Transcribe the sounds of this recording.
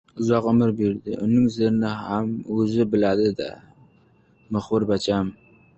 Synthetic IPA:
ʊzɒqʊmɪɾbeɾd̪ɪ̰ʔʊnɪŋzeɾnɪhamɵzɪbɪlad̪ɪd̪a̰ | ʊχʊɾbat͡ʃʰam

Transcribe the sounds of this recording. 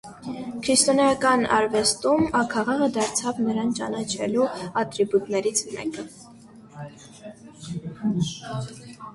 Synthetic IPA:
kʰɾist̪ɔnjɑkɑnɑ̰ɾvɛst̪umɑkʰɑʁɑʁəd̪ɑɾt͡sʰɑvnəɾɑnt͡ʃɑ̰nɑt͡ʃʰɛ̰luɑt̪ɾibut̪nɛɾit͡sʰmɛ̰kə

